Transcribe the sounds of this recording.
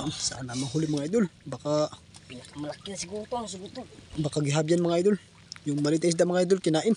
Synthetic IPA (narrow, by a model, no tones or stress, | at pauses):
saʔanamaɦulɪmɐŋaʔajd̪ʊlbaka | pinakamɐlakɪnɐsɪɡut̪os̬ɪɡut̪obakaɡɪɦabjanmɐŋaʔajd̪ʊl | jʊŋmaliːt̪as̬d̪amaŋaʔajd̪ʊlkɪnaːʔɪn